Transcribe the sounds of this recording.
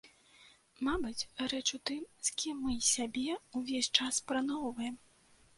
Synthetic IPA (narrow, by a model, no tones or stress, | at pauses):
mabɐt͡sʲɾɛt͡ʂut̪ɨmsʲkʲimːɨsʲabʲɛuvʲesʲt͡ʂaspɾanɔwvɐjɛm